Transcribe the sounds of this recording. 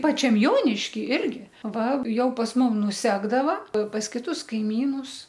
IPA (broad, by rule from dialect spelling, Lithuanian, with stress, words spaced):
ˈpɑːt͡ʃʲɛm ˈjoːnʲɪʃʲkʲɪ ˈɪrʲɡʲɪ ˈʋɐ ˈjɛʊ pɐs ˈmʊm nʊˈsʲæːɡdɐʋɐ pɐs kʲɪˈtʊs kɐɪˈmʲiːnʊs